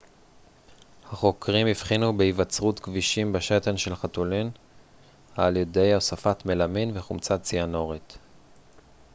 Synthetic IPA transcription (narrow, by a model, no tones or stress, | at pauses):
haχo̞kʰʁimivχinubeivat͡sʁutkviʃimbeʃetenʃelχat̪ulin | haːljede̞josafatmelaminveχumt͡sat͡siano̞ʁit̪